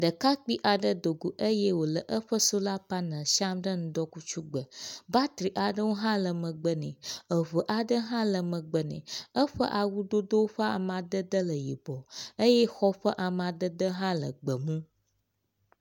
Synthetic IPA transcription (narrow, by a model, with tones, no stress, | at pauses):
ɖə˨ka˦k͡pi˦ʔa˨ɖə˦d̪o˨ɡu˨ʔə˦jɛ˦wo˨lə˨ʔə˦ɸə˦so˦la˦pa˦nə̃˨ʃa˦mɖə˦nũ˦d̪ɔ˦ku˦t͡ʃu˦ɡ͡bə˨ba˦t̪ɾi˨ʔa˨ɖə˦wo˦ɦã˦lə˨mə̃˨ɡ͡bə˨nɛ̰̃˨ə˨və˨ʔa˨ɖə˦ɦã˦lə˨mə̃˨ɡ͡bə˨nɛ̰̃˨ə˦ɸə˦ʔa˨wu˦d̪o˦d̪o˦wo˦ɸə˦a̰˨m˨ã˨d̪ə˦d̪ə˦lə˨ji˨bɔ˨ə˦je˦xɔ˦ɸə˦ʔa˨m˨ã˨d̪ə˦d̪ə˦ɦã˦lə̰˨ɡ͡bə˨mũ˦